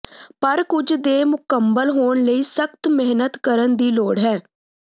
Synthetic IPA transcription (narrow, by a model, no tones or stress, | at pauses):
pəɾkʊd͡ʒd̪eːmʊkəmbəlɦoːɳləiːsəkt̪mɪɦnət̪kəɾənd̪iːloːɽɦɛː